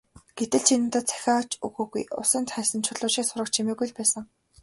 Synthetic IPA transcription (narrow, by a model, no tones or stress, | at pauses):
ɡ̥et̪ɘ̆ɮt͡ɕʰinɘ̆nt̪at͡sʰæ̥xʲaːt͡ɕuɣuːɣṵjʊ̰sə̆nt̪χæːsə̆nt͡ɕʰʊɮʊːʃiːksʊɾə̆k̚t͡ɕʰimeːɣujɮpæːsə̆ŋ